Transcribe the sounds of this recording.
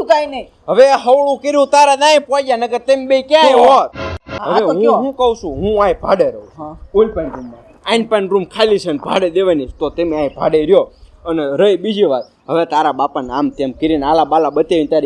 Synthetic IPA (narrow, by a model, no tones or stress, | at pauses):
kaine | ɦəʋeɦəʋɭũkeɾjũt̪aɾanaĩpad͡ʒanəket̪embeikjãjɦot̪̚ɦəʋeɦũɦũkəũʃũɦũajbʱa̰ɽeɾəũolpaɳɾumːa | aiɳɖpãnɾumkʰalisenbʱa̰ɽed̪eʋanist̪ot̪emeãjbʱa̰ɽeɾijoəneɾəebid͡ʒiʋat̪̚ | ɦəʋet̪aɾaɓapanamt̪jemkiɾinalaɓalaɓət̪eʋint̪aɾi